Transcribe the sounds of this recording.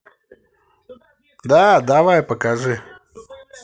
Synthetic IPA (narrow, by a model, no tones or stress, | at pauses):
d̪ad̪avajpəkaʐɨ